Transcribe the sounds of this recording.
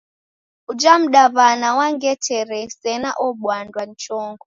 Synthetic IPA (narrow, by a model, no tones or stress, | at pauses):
ud͡ʒam̩ɗavanawaŋɡɛtʰɛɾɛsɛnaʔɔɓwandwan̩t͡ʃɔŋɡɔ